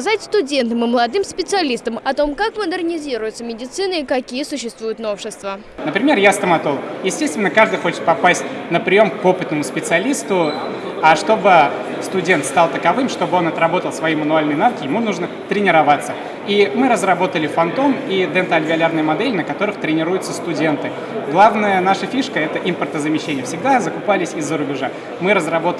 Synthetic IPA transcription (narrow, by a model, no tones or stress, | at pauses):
zatʲst̪ʊdʲe̞nt̪əmɨməlˠɐd̪ɨmspʲɪt̪sɨɐlʲist̪əmɐt̪o̞mkakməd̪ərnʲɪzʲiɾʊjʊt̪səmʲɪdʲɪt̪sɨnɨikɐkʲijəsʊɕːɪst̪vujʊt̪no̞fʂɪst̪və | nəpɾʲɪmʲerjast̪əmɐt̪olˠjɪsʲtʲe̞st̪vʲɪnːəkaʐd̪ɨjxo̞t͡ɕɪ̥t̪̚pɐpasʲt̚ʲnəpɾʲɪjo̞mkpo̞pɨt̪nəmʊspʲɪt̪sɨɐlʲist̪ʊ | ɐʂt̪o̞bɨ | st̪ʊdʲe̞nt̪st̪ɑlˠt̪əkɐvɨmʂt̪o̞bɨo̞nɐt̪ɾɐbo̞t̪əlˠsvɐimənʊalʲnəjnavkʲɪjɪmunuʐnə | t̪ɾʲɪnʲɪɾɐvat̪sːə | imɨɾəzrɐbo̞t̪əlʲɪfɐnt̪o̞mid̪ɛnt̪əɐlʲvʲɪɐlʲarnəjəmɐd̪ɛlʲɪnəkɐt̪o̞ɾɨxt̪ɾʲɪnʲɪɾujʊt̪səst̪ʊdʲe̞nt̪ɨ | ɡlˠavnəjənaʂəfʲiʂkəɛt̪əʔimpərt̪əzəmʲɪɕːenʲɪjəfsʲɪɡ̚d̪azəkʊpalʲɪsʲɪzːəɾʊbʲɪʐa | mɨɾəzrɐbo̞t̪